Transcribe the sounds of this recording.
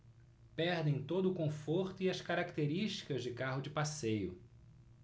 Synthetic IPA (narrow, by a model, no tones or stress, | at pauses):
pɛɾd̪ẽj̃t̪od̪ʊkõfoɾt̪ʊiɐskaɾakt̪eɾiʃt͡ʃi̥kɐzd͡ʒɪkaɦʊd͡ʒɪpasejʊ